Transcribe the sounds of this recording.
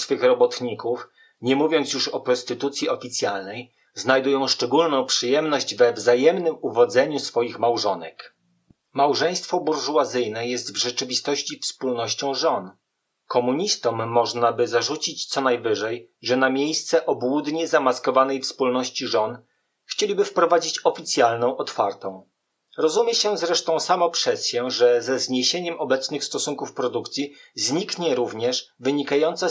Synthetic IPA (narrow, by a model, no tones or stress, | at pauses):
sfɘxɾɔbɔt̪ɲikuf | ɲɛmuvʲjɔnt̪sjuʂɔpɾɔst̪ɘt̪ut̪sʲjiɔfʲit̪sʲjalnɛj | znajd̪ujɔ̃w̃ʂt͡ʂɛɡulnɔ̃w̃pʂɘjɛmnɔʑd͡ʑvɛvzajɛmnɘmuvɔd̪zɛɲusfɔjixmawʐɔnɛk | mawʐɛj̃st̪fɔbuɾʐuat̪zɘjnɛjɛst̪vʐɛt͡ʂɘvʲist̪ɔɕt͡ɕifspulnɔɕt͡ɕɔ̃w̃ʐɔn | kɔmuɲist̪ɔmːɔʐnabɘzaʐut͡ɕit͡ɕt̪sɔnajvɘʐɛj | ʐɛnamʲjejst̪sɛʔɔbwud̪ɲɛzamaskɔvanɛjfspulnɔɕt͡ɕiʐɔn | xt͡ɕelʲibɘfpɾɔvad͡ʑit͡ɕɔfʲit̪sʲjalnɔ̃w̃ʔɔt̪faɾt̪ɔ̃w̃ | ɾɔzumʲjɛɕɛzɾɛʂt̪ɔ̃w̃samɔpʂɛsɕɛʐɛzɛzɲeɕeɲɛmʔɔbɛt̪snɘxst̪ɔsuŋkufpɾɔd̪ukt̪sʲjizɲikɲɛɾuvɲɛʂvɘɲikajɔnt̪sɛ